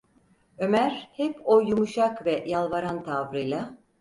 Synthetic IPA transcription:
ø̞mæɾhɛpojumuʃakvɛjalˠvaɾant̪ʰavɾɯjlˠa

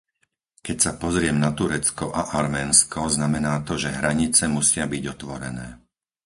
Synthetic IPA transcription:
kɛcsapɔzɾɪɛmnat̪uɾɛt͡skɔʔaʔaɾmɛːnskɔznamɛnaːt̪ɔʒɛɦɾaɲit͡sɛmusɪabiɟɔt̪ʋɔɾɛnɛː

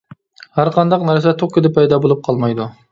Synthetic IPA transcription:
hæɾqʰɑnd̪ɑqnæɾs̬ɛt̪ʰoqkʰʲɪd̪ɪpʰːɛjd̪ɑbolˠup̚qʰɑlˠmɑjd̪u

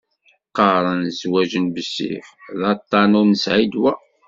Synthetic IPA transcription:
qːɑɾˤənzwæʒənbəsːḭfðɑt̪ˤːɑnunəsʕid̪wæ

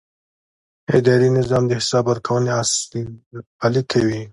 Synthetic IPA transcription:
ed̪ɑɾinɪzɑmd̪əhɪsɑbwəɾkʰawəneas | ɑlikʰawi

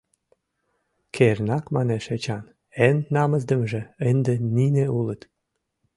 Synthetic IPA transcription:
kʰernɑkmɑneʃet͡ɕɑn | enːɑmə̆zd̪ə̆mʒĕənd̪enineulət̪

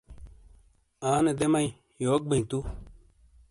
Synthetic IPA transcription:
aːned̪emɐĩ | joːk̚bɐĩt̪u

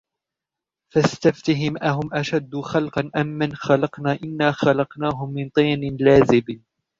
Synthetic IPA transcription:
fast̪aft̪aɦɪmʔaɦʊmʔaʃad̪ːʊxalqɑnʔamːanxalɑqnaːʔɪnːaːxalɑqnaːɦʊmːɪnt̪ˤiːnɪnlaːzɪbn

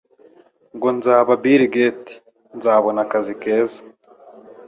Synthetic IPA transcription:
ŋɡonzaːβabiɾiɡeːti̥ | nzaːβonakazikeːzḁ

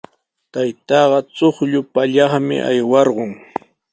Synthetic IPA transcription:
t̪ajt̪ɑːɢɑt͡soχʎʊpaʎɑχmɪ̰ʔa̰jwɑɾɢʊŋ

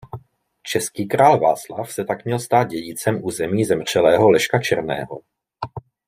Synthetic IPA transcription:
t͡ʃɛskiːkɾaːlva̰ːt͡slafsɛt̪akmɲɛlst̪aːd̪̚ɟɛɟit͡sɛmʔuːzɛmiːzɛmr̝̥ɛlɛːɦo̞lɛʃkat͡ʃɛ̰ɾnɛ̰ːɦo̞̰

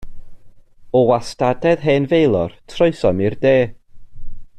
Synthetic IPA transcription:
ɔwastadɛðɦeːnvejlˠɔrtʰrɔɨsɔmirdeː

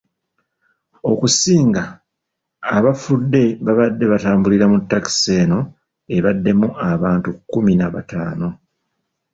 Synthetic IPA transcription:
o̞kusiːŋɡaː | βafudːe̞βaβadːe̞βataːmbuliɾamutːaki̥se̞ːno̞ | e̞βadːe̞muaβaːntukːuminaβa̰taːno̞

